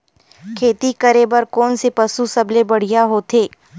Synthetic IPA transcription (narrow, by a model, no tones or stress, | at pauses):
kʰeːt̪ikəɾebɐɾkɔːnsepɐsusɐblebɐɽ̤ijaɦoːt̪ʰeː